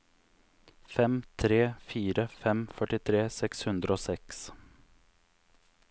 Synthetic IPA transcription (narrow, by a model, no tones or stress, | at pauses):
fɛmt̪ʰɾeːfyːɾəfɛmfœʈɪt̪ʰɾeːsɛkshɵnd̪ɾəoːsɛks